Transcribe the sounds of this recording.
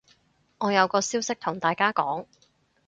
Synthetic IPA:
ŋɔː˨˧jɐ˨˧wkɔː˧siː˥wsɪ˥k̚t̪ʰʊ˨˩ŋt̪aː˨jkaː˥kɔː˨˥ŋ

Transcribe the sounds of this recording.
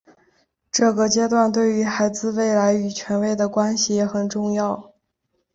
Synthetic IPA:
ʈ͡ʂɤ˥˩ɡə˩t͡ɕjɛ˥t̪̬wa˥˧nt̪we˥˩ɪy˧˥xa˧˥ɪd͡zɹ̩˥˧we˥˩ɪla˧˥ɪy˨˩t͡ɕʰɥɛ˧˥nwe˥˩ɪd̪ə˩kwa˥nɕi˨jɛ˧˥xə˨˩nʈ͡ʂʊ˥˧ŋjɑ˥˩ʊ

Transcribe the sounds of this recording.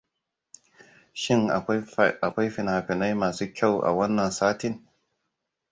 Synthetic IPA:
ʃɪ˦ŋ˨a˨kʷa˦jɸɪ˨naː˨ɸɪ˨na˦jmaː˨suː˦kʲʰa˦˨wʔa̰˨wɐ˦nːɐ˨nsaː˦tɪ˦n

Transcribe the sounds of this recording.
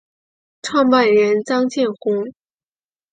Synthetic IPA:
ʈ͡ʂʰwɑ˥˧ŋpa˥˩nɻə˧˥nt͡sɑ˥ŋt͡ɕjɛ˥˩nxʊ˥ŋ

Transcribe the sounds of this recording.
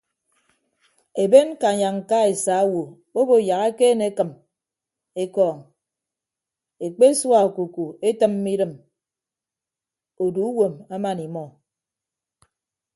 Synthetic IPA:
e˨be˦n˦ka˨ɲa˨ŋ̩˨ka˦e˨sa˨˦wo˨ | o˦bo˨ja˨ɣe˦ke˦ne˨˦kɨ˨m | e˦kɔː˨ŋ | e˨k͡pe˦swa˦˨o˨ku˨ku˨e˦tɨ˦mː˦i˦dɨ˨m | o˨du˨u˦wo˨ma˦ma˨ni˨mɔ˨

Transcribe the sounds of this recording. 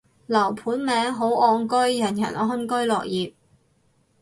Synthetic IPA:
lɐ˨˩wpʰuː˨˥nmɛː˨˧˥ŋɦo˨˥wʔɔː˧ŋkɵ˥ɥjɐ˨˩njɐ̰˨˩nɔː˨˥ɦʊ˥nkɵ˥ɥlɔː˨k̚jiː˨p̚

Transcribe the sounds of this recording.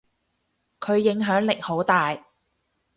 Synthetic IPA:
kʰɵ˨˧ɥjɪ˨˥ŋɦœː˨˥ŋlɪ˨k̚ho˨˥wt̪aː˨j

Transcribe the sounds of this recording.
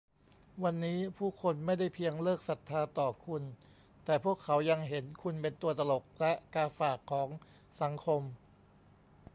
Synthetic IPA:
wa˧nːiː˦˥pʰuː˥˩kʰo˧nma˥˩jda˥˩jpʰi˧əŋlɤː˥˩k̚sa˨˩t̪ʰːaː˧t̪ɔː˨˩kʰu˧n | t̪ɛː˨˩pʰu˥˩əkʰːa˩˦wja˧ŋɦe˩˦nkʰu˧npe˧nt̪u˧˩ət̪a˧lo˨˩k̚lɛ˦˥ʔkaː˧faː˨˩kʰːɔː˩˦ŋ | sa˩˦ŋkʰo˧m

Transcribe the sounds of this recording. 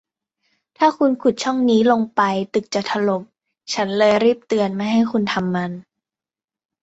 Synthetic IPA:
t̪ʰaː˥˩kʰu˧nkʰu˨˩t̪̚t͡ɕʰɔ˥˩ŋniː˦˥lo˧ŋpa˧jt̪ɯ˨˩k̚t͡ɕa˨˩t̪ʰa˧lo˨˩m̚ | t͡ɕʰa˦˥nlɤː˧jɾiː˥˩p̚t̪ɯ˧ənma˥˩jɦa˥˩jkʰu˧nt̪ʰa˧mːa˧n

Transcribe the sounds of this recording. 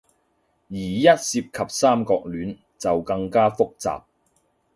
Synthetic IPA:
jiː˨˩jɐ˥t̚siː˧p̚kʰɐ˨p̚saː˥mkɔː˧k̚lyː˨˥n | t͡sɐ˨wkɐ˧ŋkaː˥fʊ˥k̚t͡sa̰ː˨p̚

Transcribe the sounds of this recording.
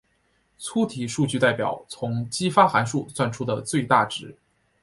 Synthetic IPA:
t͡sʰu˥t̪ʰi˨˩ʂu˥˧t͡ɕy˥˧t̪a˥˩ɪpjɑ̰˨˩˦ʊt͡sʰʊ˧˥ŋt͡ɕi˥fa˥xa˧˥nʂu˥˧t͡swa˥˩nʈ͡ʂʰu˥d̪ə˨t͡swe˥˧ɪt̪a˥˩ʈ͡ʂɻ̩˧˥

